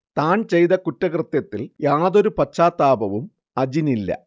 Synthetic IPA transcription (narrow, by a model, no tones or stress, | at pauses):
t̪aːnt͡ɕe̞jt̪ɐkutːɐkrɨt̪jɐt̪ːiljaːðo̞ɾupɐt͡ɕːaːt̪ːaːbɐʋum | ɐd͡ʑinilːɐ̰